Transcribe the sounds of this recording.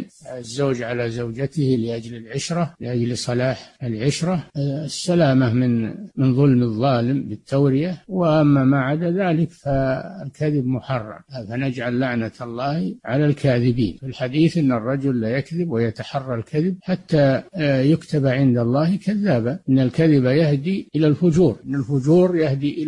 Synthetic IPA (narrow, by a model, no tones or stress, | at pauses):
zːoːd͡ʒʕalazawd͡ʒat̪ɪhlɪʔad͡ʒlɪlʕʊʃɾˤɑlɪʔad͡ʒlsˤɑlaːħɪlʕʊʃɾˤɑsːalaːmamɪnmɪnðˤʊlmɨðˤːɑːlɪmbɪt̪ːawɾɪjawɪʔamːamaʕad̪aðaːlɪkfaɪlkaðɪbmʊħɑrˤːɑ̰mfanad͡ʒʕalːaʕnaɑlˤːɑːhʕalalkʰaːðɪbḭːnfɪlħad̪iːθʔɪnːɨrˤːɑd͡ʒʊlːajakðɪbwajat̪aħɑrˤːɑlkʰaðɪb̚ħat̪ːajʊkt̪abaʕɪnd̪alˤːɑːhkʰaðːaːbaʔɪnːalkaðɪbajahd̪iʔɪlalfʊd͡ʒuːɾʔɪnːɪlfʊd͡ʒuːɾjahd̪iʔɪ